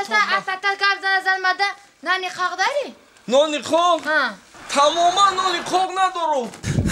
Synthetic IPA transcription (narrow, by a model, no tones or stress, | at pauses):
saasat̪akabzanazanmad̪a | naniqʰaʁd̪aɾi | nɔniqʰɔhãt̪ʰamɔmanːɔniqʰɔʁnad̪ɔɾu